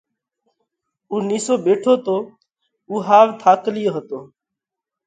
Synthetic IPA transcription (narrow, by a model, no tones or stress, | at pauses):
uːniːsoːbeːʈʰoːt̪oː | uːɦaːʋt̪ʰaːklɪjoːɦət̪oː